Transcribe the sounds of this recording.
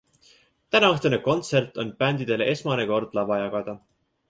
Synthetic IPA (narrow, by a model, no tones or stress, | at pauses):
t̪ænɑɑht̪eneko̞nt̪se̞rt̪ˑo̞npænd̪̥id̪̥e̞leʔe̞smɑneko̞rd̪̥lɑvɑjɑɡ̥ɑd̪̥ɑ